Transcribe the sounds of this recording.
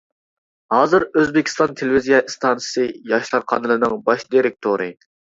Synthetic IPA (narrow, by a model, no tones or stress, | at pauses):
hɑːzɨɾøzbɪkʲʰi̥st̪ɑnt̪ʰelɪvizijɑst̪ʰɑnsɨ̥sɨjɑʃlˠɑɾqʰɑnɨlˠɨnɨŋbɑʃd̪iɾɪk̚ʲt̪ʰoɾɨ